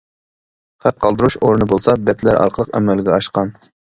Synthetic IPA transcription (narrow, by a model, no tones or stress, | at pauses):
χæp̪̚qʰɑlˠd̪ɨɾuʃoɾɨnɨbolˠsɑbɛt̪læɾɑ̰ɾqʰəlˠəqɛ̰mːɛlɡʲɛɑʃqɑn